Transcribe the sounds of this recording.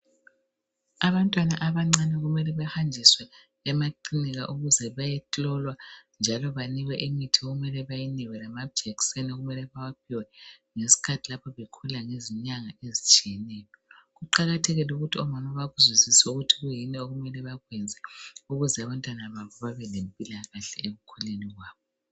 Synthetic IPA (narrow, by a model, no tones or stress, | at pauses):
aβantʼwanaʔaβaŋ͡ǀanɛɣumɛlɛβɛhand͡ʒʱiswɛː | maǃiniɣaʔuɣuzɛβajɛtʼɔlwand͡ʒʱalɔβaniɣwɛʔemitʰioɣumɛlɛβajiniwɛlamabd͡ʒɛksɛnoɣumɛlɛβawapʰiwɛŋesi̥kʰatʰilapʰɔβekʰulaŋeziɲaŋaezit͡ʃʼijɛnɛːjɔɣuǃaɣatʰɛɣɛluɣutʰiɔmanɔβaɣuzwisisɛuɣutʰiɣujinɛoɣumɛlɛβaɣwɛnd͡zʱɛuɣuzɛaβantʼwanaβaβɔβaβɛlempʼilaɣaɬɛeɣukʰuleniɣwaːβɔ